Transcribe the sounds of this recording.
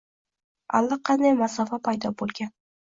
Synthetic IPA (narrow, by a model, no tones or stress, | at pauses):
a̰lˠːɑqʰɑnd̪ajmasɒfapʰajd̪ɒbolˠɡʲan